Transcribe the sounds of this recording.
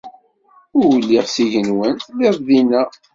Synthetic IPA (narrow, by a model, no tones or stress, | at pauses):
ʊɾwəlːiʁsiʝənwənt̪leðˤðinæ